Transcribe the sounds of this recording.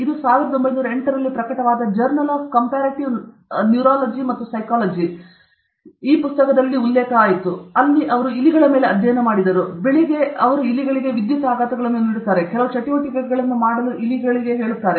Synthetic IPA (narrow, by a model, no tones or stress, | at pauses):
id̪usaːʋiɾɐd̪ombɐjnuːɾɐeɳʈɐɾɐlːipɾɐkɐʈɐʋaːd̪ɐd͡ʒɐɾnɐlaːkkːɐmpaːɾɐʈiʋ | njuːɾaːlɐd͡ʒimɐt̪ːusɐjkaːlɐd͡ʒi | iːpust̪ɐkɐd̪ɐlːiulːɛːkɐaːjit̪ːuɐlːiʔɐʋɐɾuiliɡɐɭɐme̞ːleɐd̪ʱjɐjɐnɐmaːɽid̪ɐɾubeɭiɡe̞ɐʋɐɾuiliɡɐɭiɡe̞ʋid̪jɐt̪aːɡaːt̪ɐɡɐɭɐnːeniɽut̪ːaːɾe̞kɛlɐʋut͡ʃɐʈiʋɐʈiɡɐɡɐɭɐnːumaːɽɐluʔiliɡɐɭiɡe̞ɦe̞ːɭut̪ːaːɾe